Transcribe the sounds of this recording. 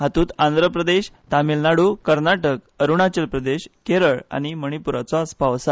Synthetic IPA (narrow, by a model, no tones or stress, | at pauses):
ɦat̪uːt̪ãnd̪ʱɾəpɾəd̪eɕt̪amilnaɽukəɾnaʈək | əɾuɳ̃at͡ɕəlpɾəd̪eɕkeɾəɭa̰ñiməɽ̃ipuɾat͡sɔəsbʱaʋəsa